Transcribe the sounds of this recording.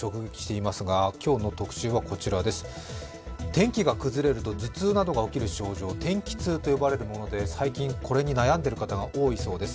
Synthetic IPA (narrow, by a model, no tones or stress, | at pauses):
o̞kɯ̟ɡe̞kʲi̥ɕi̥t̪e̞imasɨɡakʲo̞ːno̞t̪o̞kɯ̟̥ɕɨːβako̞t͡ɕiɾad̪e̞sɨ̥ | t̪ẽ̞ŋkʲiɡakɯ̟zɨɾe̞ɾɯ̟t̪o̞d͡zɨt͡sɨːnad̪o̞ɡao̞kʲiɾɯ̟ɕo̞ːʑo̞ːt̪ẽ̞ŋkʲi̥t͡sɨːt̪o̞jo̞baɾe̞ɾɯ̟mo̞no̞d̪e̞saikʲĩŋkʰo̞ɾe̞ɲ̟inajãnd̪e̞ɾɯ̟kat̪aɡaʔo̞ːiso̞ːd̪e̞sɨ̥